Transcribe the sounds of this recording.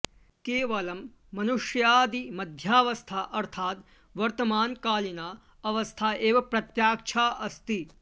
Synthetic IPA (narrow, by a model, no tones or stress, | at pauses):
keːʋɐlɐmː | ɐnuʂjaːd̪imɐd̪ʱjaːʋɐst̪ʰaːʔɐɾt̪ʰaːt̪ | ʋɐɾt̪ɐmaːnkaːlinaː | ɐʋɐst̪ʰaːeːʋɐpɾɐt̪jaːk̚t͡ʃʰaːʔɐst̪i